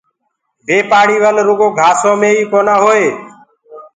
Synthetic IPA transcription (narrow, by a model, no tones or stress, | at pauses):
bʱeːpaːɽiːʋəlɾʊɡoːɡʱaːsõːmẽːiːkoːnaːɦoːeː